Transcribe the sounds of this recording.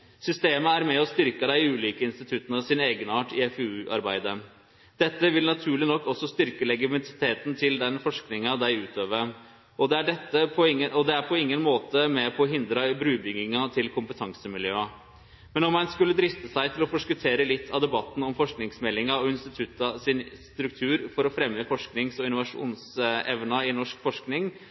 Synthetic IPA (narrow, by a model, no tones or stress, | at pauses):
sʏst̪eːməæɾmɛɔst̪ʏɾkəd̪æɪʉːliːkəɪnst̪ɪt̪ʰʉt̪ːənəsɪneːɡənɑːʈɪɛfʉːʔɑ̰ɾbæɪd̪ə | d̪̥ɛt̪ːəʋɪlnɑt̪ʰʉːɭɪnɔkːɔsːɔst̪ʏɾkəlɛɡəmnsɪ̥t̪ʰeːt̪n̩t̪ʰɪld̪ɛnfɔʂknɪŋɑd̪æɪʉːt̪ʰøːʋə | ɔd̪ɛæɖɛt̪ːəpʰɔɪəʔɔd̪ɛæɾpʰɔɪŋːənmoːt̪əmɛpʰɔɦɪnd̪ɾɑbɾʉːbʏŋːɪŋɑt̪ʰɪlkʰʊmpət̪ʰɑŋsəmɪljøːɑ | mɛnɔmɑnskʉlːəd̪ɾɪft̪əsæɪt̪ʰɪlɔfɔʂkʉt̪ʰeːɾəlɪt̪ʰːɑʋd̪ɛbɑt̪ːn̩ɔmfɔʂknɪŋsmɛlːɪŋɑɔɪnst̪ɪt̪ʰʉt̪ːɑsɪnst̪ɾʉk̚t̪ʰʉːɾfɔɾɔfɾɛmːəfɔʂknɪŋsɔɪnʊʋɑʂṵːnsɛʋnɑɪnɔʂkfɔʂknɪŋ